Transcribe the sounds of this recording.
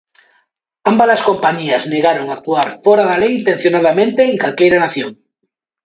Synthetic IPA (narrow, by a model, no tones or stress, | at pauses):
ambaðaskompaɲiazneɣaɾoŋak̚t̪uaɾfɔɾaðalejint̪ẽn̟θjonaðamẽnt̪eːŋkalkejɾanaθjoŋ